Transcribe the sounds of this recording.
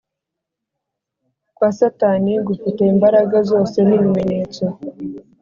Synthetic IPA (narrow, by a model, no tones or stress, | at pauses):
kwaːsataniɡufite̞imbaɾaɡazo̞ːse̞niβime̞ɲe̞ːt͡so